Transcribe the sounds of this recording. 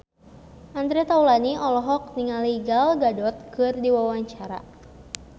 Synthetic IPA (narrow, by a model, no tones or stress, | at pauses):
ʔand̪ɾɛt̪aulaniɔlɔɦɔk̚niŋaliɡalɡadɔt̪̚kɨrdiwawaɲt͡ʃaɾa̰